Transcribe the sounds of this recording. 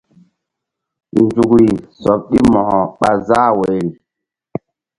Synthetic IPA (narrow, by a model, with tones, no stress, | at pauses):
nd͡ʒu˨kɾi˨sɔ˨p̚ɗi˦mɔ˨hɔ˨ɓa˨za˦we˨ɾi˨